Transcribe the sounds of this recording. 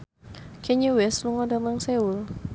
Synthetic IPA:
kʰɛɲuwɛsluŋɔdamaŋsɛul

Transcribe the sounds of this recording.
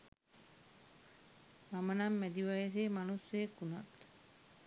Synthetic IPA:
mamənamːæd̪iʋajeseːmanusːejekːuna̰t̪

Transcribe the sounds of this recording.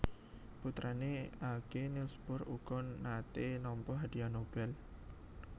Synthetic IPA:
put̪ɾaneaɡ̥enilsb̥ʊruɡ̥ɔnːat̪enɔmpɔɦad̥ianob̥ɛl

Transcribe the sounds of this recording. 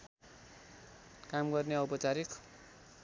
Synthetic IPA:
kamɡʌrneʌwpʌt͡saɾik

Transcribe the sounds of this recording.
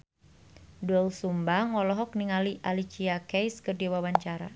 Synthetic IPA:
dɔlsumbaŋɔlɔɦɔk̚niŋaliʔalit͡ʃiakɛjskərdiwawaɲt͡ʃaɾa̰

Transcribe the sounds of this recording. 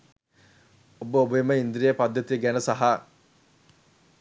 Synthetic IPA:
obəobɐemɐind̪ɾijɐpɐd̪ʱːɐt̪iɐɡɛnɐsaɦaː

